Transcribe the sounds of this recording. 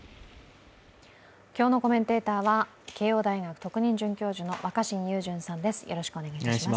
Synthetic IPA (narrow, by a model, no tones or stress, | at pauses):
kʲo̞ːno̞ko̞mẽ̞nt̪e̞ːt̪aːβa | ke̞ːo̞ːd̪aiɡakɯ̟̥t̪o̞kɯ̟ɲ̟ĩɲ̟d͡ʑɨ̃ŋkʲo̞ːʑɨno̞βakaɕĩɲʲɯːʑɨ̃ɰ̃sãnd̪e̞sɨ̥jʔo̞ɾo̞ɕi̥kɯone̞ɡaia